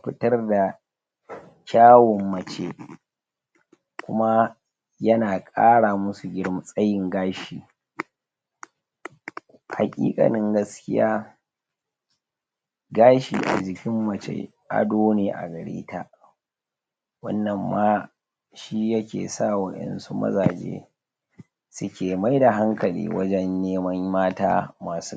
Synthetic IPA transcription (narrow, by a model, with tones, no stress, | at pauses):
ɸɪ˦tɐ˦rda˨ | kʲaː˦wɔ˨mːɐ˨t͡ʃe˦ | kʷʊ˦ma˦ | jɐ˦naː˨kʼaː˦ɽaː˨mʊ˦su˨ɡʲɪ˦ɽm˨sʼɐ˦jɪ˨ŋɡaː˦ʃiː˨ | ha̰˨kʲʼḭː˦kʼɐ̰˨nɪ˦ŋɡɐ˦skʲɪ˦jaː˦ | ɡaː˦ʃḭː˨ʔa̰˨d͡ʒɪ˨kʲɪ˦mːɐ˨t͡ʃḛ˦ | ʔa̰˨doː˦neː˨ʔa̰˨ɡɐ˨ɽḛː˦ta˦ | wɐ̰˦nːɐ˨mːaː˦ | ʃi˦jɐ˦kʲḛː˨sa˦˨wɐ˦ʔɛ̰˨nsu˦mɐ̰˦zaː˨d͡ʒḛː˦ | sʊ˦kʲeː˨ma˦jda˨ɦa˦ŋkɐ˨lḭː˨wɐ̰˦d͡ʒɛ˦nːeː˦mɐ˦ŋmaː˦ta̰ː˦maː˨su˦